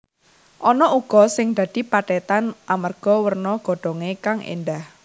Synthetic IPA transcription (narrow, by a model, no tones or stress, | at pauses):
ʔɔnɔʔuɡ̥ɔ̤sɪŋd̪̥ä̤d̪̥i̤paɖɛt̪anʔamarɡ̥ɔ̤wərnɔɡ̥ɔ̤ɖ̪̥ɔ̤ŋekaŋʔḛnd̪ah